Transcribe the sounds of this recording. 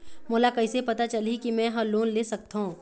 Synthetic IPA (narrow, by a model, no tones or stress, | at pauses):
moːlakɐɪsepɐt̪at͡ʃɐlikimɛ̃ɦɐ̃loːnleːsɐk̚t̪aɦũː